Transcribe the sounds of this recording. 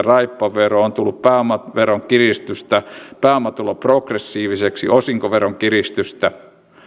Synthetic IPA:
rɑipːɑʋeroont̪ulːuppæːmɑʋeroŋkirist̪yst̪æpæːmɑt̪ulɑprokresːiːʋiseksḭʔosiŋkoʋeroŋkirist̪yst̪æ

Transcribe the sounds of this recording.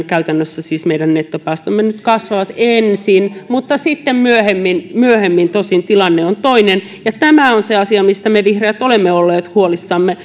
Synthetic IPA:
kæyt̪ænːøsːæsiːsmeidænnet̪ːopæːst̪ømːenyt̪kɑsʋɑʋɑt̪ensinmut̪ːɑsit̪ːemmyøhemːinmyøhemːint̪osint̪ilɑnːeont̪oinen | jɑt̪æmæonseɑsiɑmist̪æmeʋihreːt̪olemːeolːeːt̪huolisːɑmːe

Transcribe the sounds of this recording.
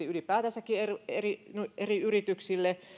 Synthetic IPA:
iylipæːt̪æsækːiererinuʔeriyrit̪yksilːe

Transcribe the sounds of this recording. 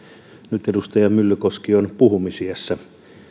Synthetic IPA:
nyt̪edust̪ɑjɑmylːykoskionpuhumisiesːɑ

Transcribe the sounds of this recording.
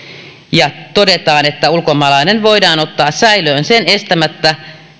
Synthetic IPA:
jɑt̪o̞det̪ɑːnet̪ːæulkomɑlɑinenʋo̞idɑːno̞t̪ːɑːssæiløːnsene̞st̪æmæt̪ːæ

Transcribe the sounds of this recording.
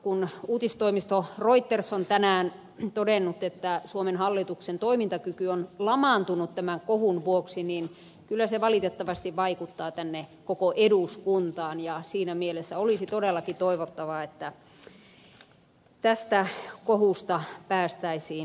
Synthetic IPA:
kunuːt̪ist̪oimist̪oroit̪ːersont̪ænæːn | t̪odenːut̪et̪ːæsuomenhɑlːit̪uksent̪oimint̪ɑkykyonlɑmɑnt̪unut̪t̪æmæŋkohunʋuoksinin | kylːæseʋɑlit̪et̪ːɑʋɑst̪iʋʋɑikut̪ːɑːt̪ænːekokoʔeduskunt̪ɑːnjɑsiːnæmielesːæolisit̪odelːɑkit̪oiʋot̪ːɑʋɑet̪ːæ | t̪æst̪ækohust̪ɑpæːst̪æisiːn

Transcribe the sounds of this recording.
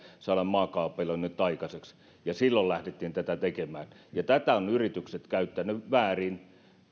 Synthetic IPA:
sɑlɑmmɑːkɑːpːelonnyt̪ːɑikɑseks | jɑsilːollæhdet̪ːiːnt̪æt̪æt̪ekemæːnjɑt̪æt̪æonyrit̪ykset̪kæyt̪ːænyʋæːrin

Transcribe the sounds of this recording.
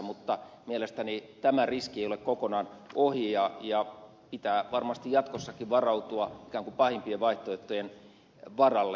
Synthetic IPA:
mut̪ːɑmielest̪ænit̪æmæriskieijolekkokonɑnohijɑjɑ | pit̪æːʋɑrmɑst̪ijjɑt̪kosːɑkiʋɑrɑut̪uɑikæːŋkupɑhimpieʋʋɑiht̪oet̪ːojen | ʋɑrɑlː

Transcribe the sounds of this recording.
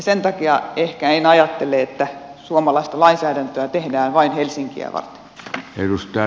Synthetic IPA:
sent̪ɑkiɑehkæenɑjɑt̪ːeleet̪ːæsuomɑlɑist̪ɑlɑinsæːdænt̪øæt̪ehdæːnʋɑinhelsiŋkḭæ̰ʋɑ̰rt̪e̥nerust̪ɑ

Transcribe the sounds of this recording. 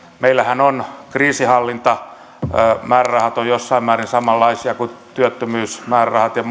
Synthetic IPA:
meilːæhænonkriːsihɑlːint̪ɑ | mæːrrɑhɑt̪ojjosːɑimæːrinsɑmɑlːɑisiɑkut̪yøt̪ːømyːsmæːrrɑhɑt̪jɑ

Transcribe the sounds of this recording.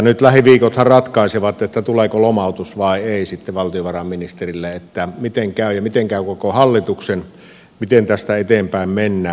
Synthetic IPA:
nyt̪læhiʋiːkot̪hɑrrɑt̪kɑˑiseʋɑt̪ːet̪ːæt̪uleːkolomɑˑut̪usʋɑˑieˑisit̪ːeʋɑlt̪ioʋɑrɑmminist̪erilːeet̪ːæmit̪eŋkæˑyjɑmit̪eŋkæˑøkokohɑlːit̪uksen | mit̪ent̪æst̪æet̪empæˑemmenːæː

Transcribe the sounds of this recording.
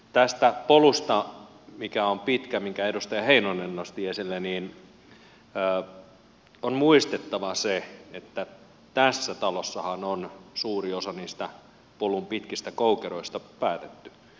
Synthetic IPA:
t̪æst̪æpolust̪ɑ | mikæompit̪kæmiŋkæedust̪ɑjɑheinonːenːost̪iesilːeniːn | əː | onmuist̪et̪ːɑʋɑseet̪ːæ | t̪æsːæt̪ɑlosːɑhɑnonsuːriosɑniːst̪æ | polumpit̪kist̪ækoukeɾoist̪ɑpæːt̪et̪ːy̥

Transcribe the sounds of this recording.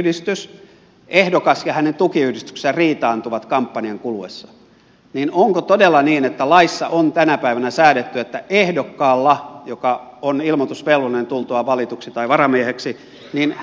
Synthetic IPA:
hdist̪ys | ehdokɑsjɑhænent̪ukiyhdist̪y̥kse̥særiːt̪ɑːnt̪uʋɑt̪kɑmpːɑniɑŋkuluwḛsːɑ̥ | niːnoŋkot̪odelːɑniːnet̪ːælɑisːɑ̰ʔont̪ænæpæiʋænæsæːdet̪ːyet̪ːæʔehdokːɑːlːɑjokɑ | onilmot̪usʋelːunent̪ult̪uɑʋɑlit̪uksit̪ɑiʋɑrɑmieheksi | nin

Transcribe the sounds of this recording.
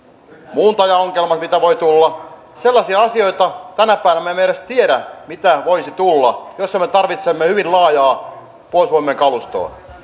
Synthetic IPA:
muːnt̪ɑjɑoŋkelmɑsmit̪æʋoit̪ulːɑ | selːɑsiɑɑsio̞it̪ɑt̪ænæpæˑiʋænæmemːeɾest̪ieɾæmit̪æʋoisit̪ulːɑjosːɑmet̪ɑrʋit̪semːehyʋinlɑːjɑː | poˑisʋoimːeŋkɑlust̪o̰ː

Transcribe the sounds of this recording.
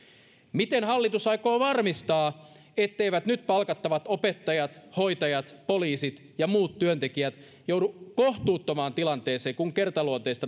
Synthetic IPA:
mit̪enhɑlːit̪usɑikoːʋɑrmist̪ɑː | et̪ːeiʋæt̪nyt̪pɑlkɑt̪ːɑʋɑt̪opet̪ːɑjɑt̪ho̞it̪ɑjɑt̪poliːsit̪ | jɑmuːt̪tyønt̪ekiæt̪ | joudukoht̪uːt̪ːomɑːnt̪ilɑnt̪eːseːkuŋkert̪ɑluot̪eist̪

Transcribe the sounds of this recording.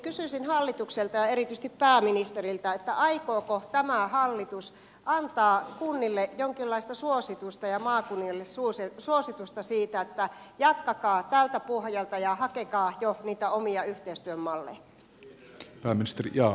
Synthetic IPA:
kysysinhɑlːit̪ukselt̪ɑjɑeɾit̪ys̆t̪ippæːminist̪erilt̪ɑet̪ːæʔɑikoːkot̪æmæhɑlːit̪us | ʔɑnt̪ɑːkunːilːejoŋkilːɑist̪ɑsuosit̪ust̪ɑjɑmɑːkunːilːesusesuosit̪ust̪ɑsiːt̪æet̪ːæjɑt̪kɑkɑːt̪ælt̪æpuhjɑlt̪ɑjɑhɑkekɑːjoniːt̪æomiɑyht̪eist̪yømːɑlːḛjɑ | pæːminist̪erḭjɑː

